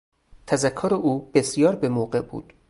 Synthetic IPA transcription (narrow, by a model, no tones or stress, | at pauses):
t̪ʰæzækʰːoɾeʔuːb̥esijɒːɾbemoːɢebṵːd̪̥